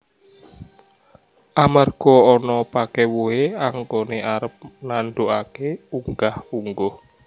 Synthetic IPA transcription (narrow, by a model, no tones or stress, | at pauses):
ʔamarɡ̥ɔɔnɔpakɛwoeaŋkoneʔaɾəp̚nanɖoʔakeuŋɡahuŋɡɔh